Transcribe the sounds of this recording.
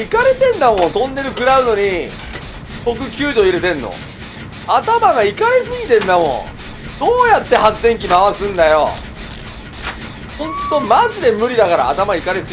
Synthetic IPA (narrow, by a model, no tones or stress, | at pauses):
ikaɾet̪ẽ̞nd̪amõ̞nt̪õ̞nd̪e̞ɾɯ̟kɯ̟ɾaɯ̟no̞ɲ̟i | t̪o̞k̬ɯ̟kʲɨːd̪o̞iɾe̞t̪ẽ̞nːo̰ | at̪amaɡaikaɾesɨɡʲit̪ẽ̞nd̪amõ̰ | d̪̥oːjat̪ːe̞haẽ̞ŋk̬ʲimaβasɨ̃nd̪ajo | hõ̞nt̪o̞maʑid̪e̞mɯ̟ɾʲid̪akaɾa̰ːt̪amaikaɾesɨ